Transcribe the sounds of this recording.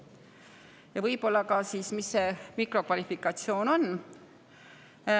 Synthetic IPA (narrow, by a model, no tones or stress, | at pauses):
jɑvɤjpo̞lːɑkɑsiːsmisːe̞mikro̞kvɑlʲifikːɑt̪sio̞ːno̞nː